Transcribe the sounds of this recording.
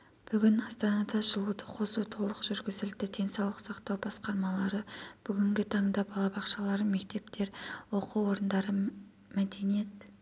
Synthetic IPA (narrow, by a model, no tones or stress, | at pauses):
b̥ʏɡʲɪnɑst̪ɑnɑd̪ɑʒəlˠud̪əqʰo̞sut̪ʰo̞lˠəqʒʏɾɡʲɪzɪld̪ɪd̪̥ʰe̞nsɑwlˠəqsɑqt̪ɑwbɑsqɑɾmɑlˠɑɾəb̥ʏɡʲɪŋɡʲɪt̪ʰɑɴd̪ɑbɑlˠɑbɑqʃɑlˠɑɾəme̞k̚t̪e̞pt̪e̞ɾwo̞quwo̞ɾənd̪ɑɾə | mæd̪e̞nije̞t̪